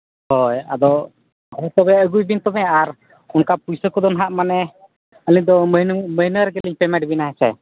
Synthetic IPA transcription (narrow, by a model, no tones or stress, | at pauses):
hɔja̰d̪ɔ | hɔt̪ɔbɛəɡujbint̪ɔbɛaɾ | unkapujsəkɔd̪ɔnɦaʔmanɛ | əliɲd̪ɔmənməɦinəɾɛɡɛliɲpɛmɛ̃ʈbinaɦɛsʰɛ̰